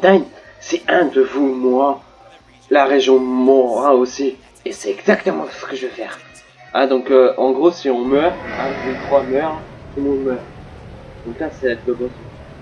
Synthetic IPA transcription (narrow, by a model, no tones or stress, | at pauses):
d̪an | sɛɛ̃d̪əvumwa | laʁeʒjɔ̃mɔʁaosi | esɛɛɡzakt̪əmɑ̃sə̥kəʒəvøfɛːʁ | ɛ̃d̪ɔ̃køɑ̃ɡʁosiɔ̃mœʁɛ̃vut̪χwamœʁunũmœʁd̪̥ɔ̃klasɛad̪d̪əbɔ̃sɔ̃